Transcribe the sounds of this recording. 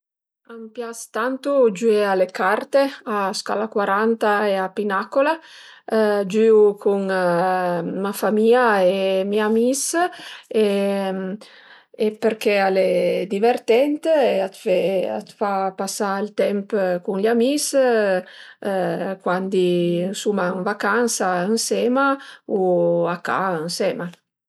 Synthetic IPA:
ampjast̪ant̪ud͡ʒuealekart̪easka̰lakwaɾant̪aeapinakola | d͡ʒyukʰuŋ | mafamiːaemiamis | e | epeɾkealed̪iveɾt̪ɛnt̪eat̪fea̰t̪fapasailt̪ɛmpkuŋʎamis | kwand̪insumaəŋvakansaənsɛːmauakːa̰ənsɛma

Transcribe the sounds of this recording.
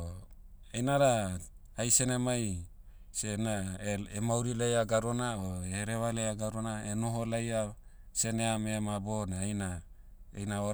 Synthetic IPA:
ejnaɾa | ajsenemaj | senaemawɾilejaɡaɾonaoeɾeβalejaɡaɾonaenoɦolaja | seneameamabonaajna | ḛjnao

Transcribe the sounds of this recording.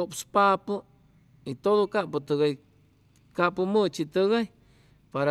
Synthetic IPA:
opspapɨ | it̪od̪okaʔput̪ɨɣaj | kaʔpumɨt͡ʃit̪ɨɣaj | paɾa

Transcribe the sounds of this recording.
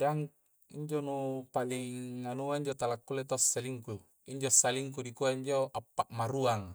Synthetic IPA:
daŋ | ḭɲd͡ʒonupaliŋːanuaiɲd͡ʒot̪alakːulet̪osːaliŋku | iɲd͡ʒosaliŋk̬udikuaiɲd͡ʒoʔapːaʔmaɾuaŋ

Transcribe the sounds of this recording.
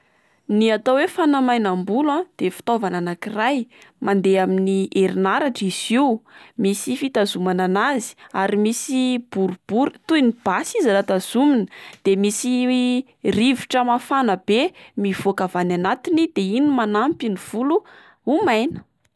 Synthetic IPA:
niat̪owefanamajnambulãd̪̥efi̥t̪ovananakirajmand̪eaminiʔeɾinaɾaʈ͡ʂiz̥iumisifit̪azumananazi̥aɾimisib̥uɾub̥uɾit̪uinib̥asizalat̪az̥uminə̥d̪̥emisi | riviʈ͡ʂəmafanəb̥emiv̥okavananat̪inid̪einimanampiniv̥ulu | umajnə̥

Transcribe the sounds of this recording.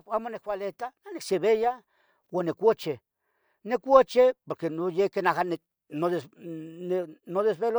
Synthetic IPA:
amonekwʷalet̪ananekseβeja | wonekʷot͡ʃe | nekʷot͡ʃepoɾkenojekenahane | noðenenoðesβelo

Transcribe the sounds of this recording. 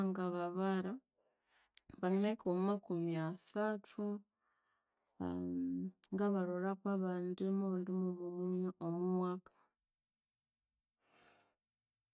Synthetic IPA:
ŋɡaβaβaɾa | βannekomumakumiasatʰu | ŋɡaβaɾolakwaβaːndimoβandimoβumuomumwaːkḁ

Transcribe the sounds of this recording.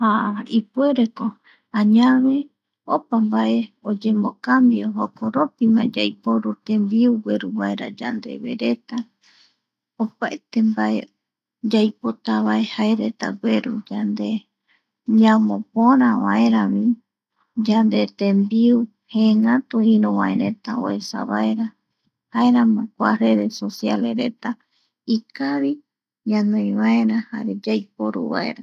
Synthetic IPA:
haipue̞ɾeko | ãɲaβe̞ | opambaʔe̞od͡ʒemokambioɦokoɾo̞pimã̰d͡ʒajpoɾut̪ẽmbiuɡʷweɾuβaeɾa̰d͡ʒa̰nd̪e̞̰βḛɾe̞t̪a | opaet̪embaʔe̞ | d͡ʒajpot̪aβae̞haeɾe̞t̪a̰ɡweɾṵd͡ʒand̪e | ɲamõpõɾ̃ãβa̰ẽɾãβĩ | d͡ʒand̪et̪embiu | heŋat̪uĩɾũβãḛ̃ɾẽt̪ao̰esa̰βa̰eɾa | haeɾãmãkʷare̞ðe̞sosjaleɾet̪a | ikaβi | ɲãnõj̃βaeɾãha̰ɾed͡ʒajpoɾṵβa̰e̞̰ɾa

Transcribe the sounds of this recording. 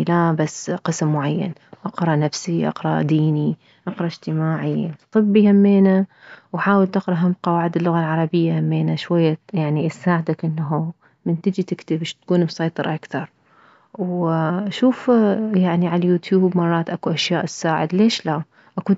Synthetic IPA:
labasːqɨsmːʊʕajːa̰nʔɑqɾˤɑʔnafsiʔɑ̰qɾˤɑ̰ʔd̪iːni | ʔɑqɾˤɑʔɪd͡ʒt̪ɪmaːʕit̪ˤɨbːihamːeːna | wħaːwɪlt̪ɪqɾˤɑʔɦamqɑwaːʕɪd̪ɪlːʊɣalʕɑɾˤɑbɪjːahamːeːnaʃwajːajaʕniʔasaːʕɪd̪akʔɪnːaɦu | mɪnt̪ɪd͡ʒit̪ɪkt̪ɪbɪʃt̪kuːnbsˤɑjt̪ˤɨɾʔakθɑɾˤ | wʃuːfjaʕniʕalajuːt̪juːbmɑrˤːɑːt̪ʔakuʔaʃjaːʔɪsːaːʕɪd̪leːʃla | ʔaku

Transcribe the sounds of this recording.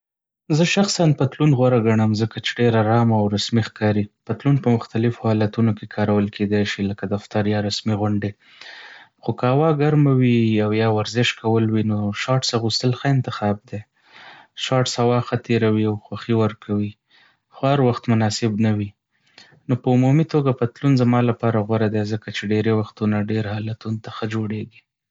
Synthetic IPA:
zəʃaxsanpat̪lunɣwaɾaɡaɳəmzəkat͡ʃeɖeɾaɾɑmaːwɾasmixkɑɾipat̪lunpəmʊxt̪alɪfohɑlat̪unokekʰɑɾawəlkʰed̪ajʃiləkad̪aft̪aɾjɑɾasmiɣʊɳɖe | xokəhawɑɡaɾmawiawjɑwaɾzɪʃkawəlwinoʃɑʈsaɣust̪əlxəɪnt̪ɪxɑb̚d̪e | ʃɑʈshawɑxat̪ʰeɾawiawxwaxiwəɾkʰawi | xohaɾwaxt̪mʊnɑsɪbnawi | nopəumumit̪oɡapət̪lunzamɑlapɑɾaɣwaɾad̪ezəkat͡ʃeɖeɾewaxt̪unaɖeɾhɑlat̪unot̪axəd͡ʒoɽeɡi

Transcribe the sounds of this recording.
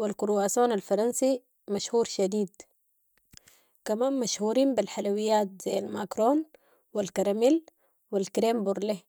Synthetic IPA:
wilkuɾwaːsoːnalfɑɾˤɑnsi | maʃhuːɾʃad̪iːd̪ | kamaːnmaʃhuːɾiːmbilħalawijːaːt̪̚z̥ajːalmakɾoːn | wilkaɾamil | wilkɾeːmbuɾˤle

